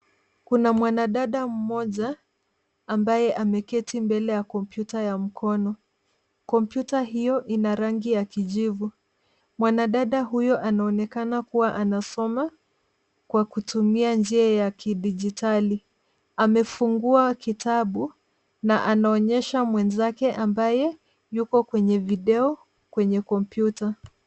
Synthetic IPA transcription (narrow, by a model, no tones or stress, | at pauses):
kunamwanaɗaɗam̩mɔʄaː | mbajɛʔamɛkɛtimbɛlɛjakɔmpjutajam̩kʰɔnɔ | kɔmpjutaɦijɔʔinaɾaŋɡijakiʄivu | mwanaɗaɗaɦujɔʔanaɔnɛkanakuwaʔanasɔma | kwakutumiand͡ʒiajakiɗid͡ʒitali | amɛfuŋɡuakitʰaɓu | naʔanaɔɲɛʃamwɛnzakɛʔambajɛ | jukɔkwɛɲɛviɗɛɔ | kwɛɲɛkɔmpjuta